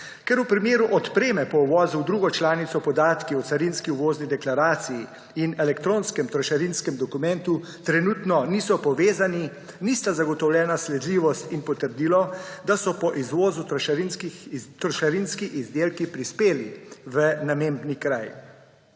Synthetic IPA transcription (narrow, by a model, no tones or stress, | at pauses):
kɛɾupɾimjeːɾuʔɔt̪pɾeːmɛpɔuʋɔːzuwd̪ɾuːɡɔt͡ʃlaːnit̪sɔpɔd̪aːt̪kiɔt̪saɾinskiuʋoːznid̪ɛklaɾaːt̪siji | inɛlɛkt̪ɾoːnskɛmt̪ɾɔʃaɾinskɛmd̪ɔkumɛnt̪u | t̪ɾɛnuːt̪nɔnisɔpɔʋeːzani | nist̪azaɡɔt̪ɔwlʲjɛːnaslɛd̪liːʋɔst̪inpɔt̪əɾd̪iːlɔd̪asɔpɔʔizʋoːzut̪ʃnkit̪ɾɔʃaɾinskiʔizd̪eːlkipɾispeːliʋənameːmbnikɾaj